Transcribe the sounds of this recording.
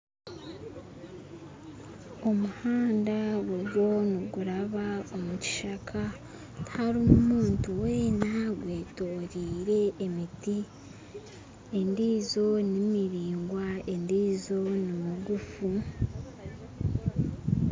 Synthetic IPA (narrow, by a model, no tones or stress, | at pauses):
o̞muhaːndawuɡo̞niɡuɾaβaomuci̥ʃakʰa | haɾumumuːntuwe̞ːnaɡwe̞ːtoːɾiːɾe̞emiti | e̞ndiːzo̞nimiɾiːŋɡwae̞ndiːzo̞nimuɡufu